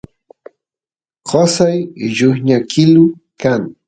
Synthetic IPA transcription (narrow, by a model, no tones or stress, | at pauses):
ɢosajʎʊχɲakʰɪlʊkaŋ